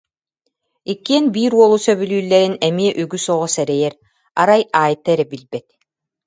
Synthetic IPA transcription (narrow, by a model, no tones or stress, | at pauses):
ikːiɛnbiːɾuɔlˠusœβylyːlːɛɾinɛmiɛʔyɡysɔʁɔsɛɾɛjɛɾ | aɾajaːjt̪ɛɾɛbilbɛt̪̚